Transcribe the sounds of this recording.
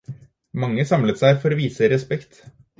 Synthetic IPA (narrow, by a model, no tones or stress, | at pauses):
mɑŋːəsɑmlət̪sæɪfɔɾoʋiːsəɾɛspɛkt̪